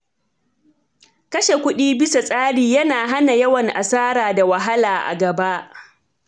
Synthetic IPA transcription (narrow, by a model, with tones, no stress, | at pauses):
kɐ˦ʃe˨kʷʊ˦ɗiː˦bɪ˦sa˨sʼaː˦ɽiː˨jɐ˦naː˨ɦa˦na˨jɐ˦wɐ˨ŋʔa̰˨saː˦ɾaː˨da˨wɐ˨ɦa˦laː˨ʔa̰˨ɡɐ˨ba˦ʔ